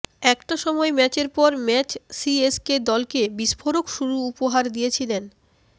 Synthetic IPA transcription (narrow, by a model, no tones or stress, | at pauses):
ɛkʈaʃɔmɔemɛt͡ɕeɾpɔɾmɛt͡ɕsiesked̪ɔlkebiʃfʰoɾokʃuɾuupoɦaɾd̪ijet͡ɕʰilen